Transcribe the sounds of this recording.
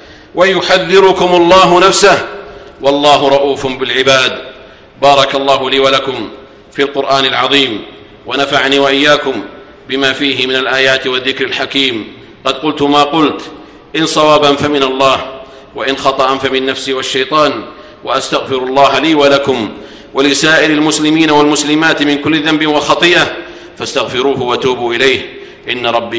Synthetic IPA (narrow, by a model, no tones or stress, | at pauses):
wajʊħaðːɪɾʊkʊmʊlˤːɑːɦʊnafsahwɑlˤːɑːɦʊɾˤɑʔuːfʊmbɪlʕɪbaːd̪ | bɑːɾˤɑkɑlˤːɑːɦʊliːwalakʊm | filqʊɾʔaːnalʕɑðˤiːm | wanafaʕniːwaʔɪjːaːkʊm | bɪmaːfiːɦɪmɪnalʔaːjaːt̪waðːɪkɾalħakiːm | qɑd̪qʊlt̪ʊmaːqʊlt̪ | ʔɪnsˤɑwaːbanfamɪnalˤːɑːh | waʔɪnxɑt̪ˤɑʔanfamɪnːafsiːwaʃːajt̪ˤɑːn | waʔast̪aɣfɪɾʊlˤːɑːɦaliːwalakʊm | walɪsaːʔɪɾalmʊslɪmiːnawalmʊslɪmaːt̪mɪnkʊlːɪðambɪwalxɑt̪ˤɨːʔa | fast̪aɣfɪɾuːɦʊwat̪uːbuːʔɪlajh | ʔɪnːaɾˤɑbːi